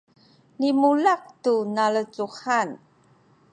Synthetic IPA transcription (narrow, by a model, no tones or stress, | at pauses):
limulaq̚tunalət͡suhan